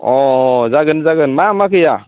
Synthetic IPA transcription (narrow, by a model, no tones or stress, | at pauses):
ɔzaɡɯnzaɡɯnmamakʰɯja